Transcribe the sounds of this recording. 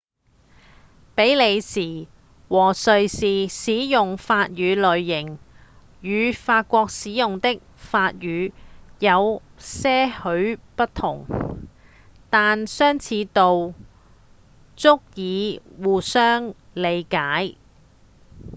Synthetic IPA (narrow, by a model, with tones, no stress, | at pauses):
pe˨˥jle˨˧jsiː˨˩ | wɔː˨˩sɵ˨ɥsiː˨siː˨˥jʊ˨ŋfaː˧t̚ɥyː˨˧lɵ˨ɥːɪ˨˩ŋ | jyː˨˧faː˧t̚kʷɔː˧k̚siː˨˥jʊ˨ŋt̪ɪ˥k̚faː˧t̚jyː˨˧jɐ˨˧w | sɛː˥hɵ˨˥ɥpɐ˥t̚t̪ʰʊ̰˨˩ŋ | t̪aː˨nsœː˥ŋt͡sʰiː˨˧t̪o˨w | t͡sʊ˥k̚jiː˨˧wuː˨sœː˥ŋ | le˨˧jkaː˨˥j